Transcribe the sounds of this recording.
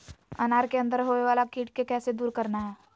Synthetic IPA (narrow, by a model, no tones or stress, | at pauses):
ə̰naːɾkeə̃nd̪əɾɦoːeʋaːlakiːʈkekɛːsed̪uːɾkəɾnaɦɛː